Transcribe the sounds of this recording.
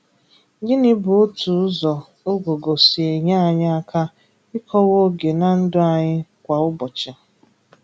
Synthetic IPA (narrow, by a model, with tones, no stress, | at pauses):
ɡɪ˦nɪ˦bʊ˨˦o˦tu˨ʊ˦zɔ˨ | o˦ɡo˨ɡo˨si˨e˨ɲa˦a˨ɲa˦a˦kʰa˦ | ɪ˦kʰɔ˦wo˦ɡe˨na˨n̩˦dʊ˦a˨ɲɪ˦kʷa˨ʊ˦bɔ˨t͡ʃa˨